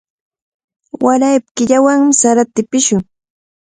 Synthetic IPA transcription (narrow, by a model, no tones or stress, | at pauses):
waɾajp̚kɪʎawaŋmɪsaɾat̪ɪpɪʃʊŋ